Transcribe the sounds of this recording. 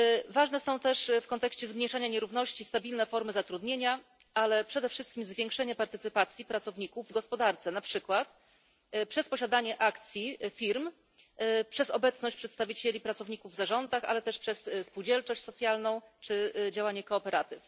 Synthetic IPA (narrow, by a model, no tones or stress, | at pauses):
vaʐnɛsɔ̃w̃t̪ɛʂfkɔnt̪ɛkɕt͡ɕɛzmɲejʂaɲaɲɛɾuvn̪ɔɕt͡ɕist̪abʲilnɛfɔɾmɘzat̪ɾud̪ɲeɲa | alɛpʂɛd̪ɛfʂɘst̪kʲimzvʲjɛ̃ŋkʂɛɲapaɾt̪ɘt̪sɘpat̪sʲjipɾat̪sɔvɲikuvːɡɔspɔd̪aɾt̪sɛnapʂɘkwat̪ | pʂɛspɔɕad̪aɲɛʔakt̪sʲjifʲiɾm | pʂɛzɔbɛt̪snɔɕt͡ɕ̚pʂɛt̪st̪avʲit͡ɕelʲipɾat̪sɔvɲikuvːzaʐɔnd̪axa̰lɛt̪ɛʂpʂɛsspuwd͡ʑɛlt͡ʂɔɕt͡ɕsɔt̪sʲjalnɔ̃w̃t͡ʂɘd͡ʑawaɲɛkɔːpɛɾʔat̪ɘf